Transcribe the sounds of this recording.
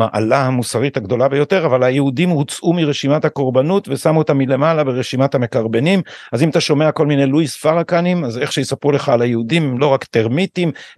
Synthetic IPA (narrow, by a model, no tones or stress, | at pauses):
aʔa̰lahamusaʁithaɡd̪o̞labe̞jo̞te̞ʁavalajehudimut͡sʔumiʁeʃimathako̞ʁbanutvesamut̪amile̞malabe̞ʁeʃimathame̞kaʁbe̞nimazimat̪aʃo̞me̞ako̞lmineluisfaʁakanimaze̞χʃejesapʁule̞χaːlajeudimlo̞ʁakt̪e̞ʁmitim